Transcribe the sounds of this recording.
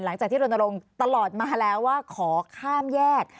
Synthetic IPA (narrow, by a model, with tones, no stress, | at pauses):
nla˩˦ŋt͡ɕaː˨˩k̪̚ʰiː˥ɾo˧na˧ɾo˧ŋt̪a˧lɔː˨˩t̪̚maː˧lɛː˦˥wːaː˥˩kʰɔː˩˦kʰaː˥˩mjɛː˥˩k̚